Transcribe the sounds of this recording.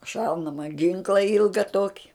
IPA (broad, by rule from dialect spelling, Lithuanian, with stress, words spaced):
ˈʃɐʊnɐmɐ ˈɡʲɪŋklˠɐ ˈɪlˠɡɐ ˈtoːkʲɪ